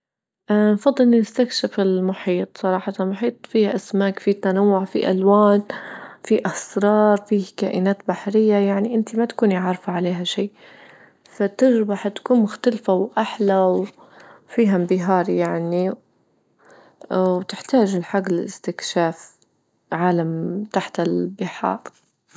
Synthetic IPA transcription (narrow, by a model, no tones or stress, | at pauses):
ʔnfɑd̪ˤːɨlnɪst̪akʃafɪlmʊħiːt̪ˤsˤɑɾˤɑːħat̪almʊħiːt̪ˤfiːhaʔasmaːkfit̪anawːʊʕfḭʔalwaːnfiʔasɾˤɑːɾˤfiːhka̰ːʔɪnaːt̪̚baħɾɪjːajaʕniʔɪnt̪imat̪kuːniʕaɾˤfaʕaleːɦaʃiː | fat̪ɪɾbaħat̪ḁkuːnmʊxt̪alfawʔaħlaw | fiːɦambɪɦɑːɾˤijaʕni | wt̪ɪħt̪aːʒɪlħaɡːɪlɪ̰st̪ɪkʃaːf | ʕaːlamt̪aħt̪ɪlbɪħɑ̰ːɾˤ